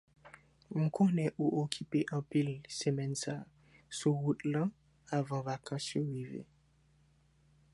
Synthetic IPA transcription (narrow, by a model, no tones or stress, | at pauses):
məkʰonɛʔuʔokʰipeʔɑ̃pilsəmɛnsa | suɣut̪lã | avɑ̃vakʰɑ̃sjoɣivḛ